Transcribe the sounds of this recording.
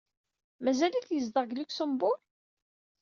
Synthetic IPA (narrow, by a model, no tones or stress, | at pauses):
mæzæliθjəzd̪əʁɡlikʷsəmbʊl